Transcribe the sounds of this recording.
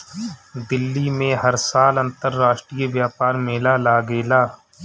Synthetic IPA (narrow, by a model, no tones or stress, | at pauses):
d̪ɪlːimẽɦɐɾsaːlɐ̃nt̪əɾːaːʃʈɾijəʋjaːpaːɾmeːlalaːɡeːlaː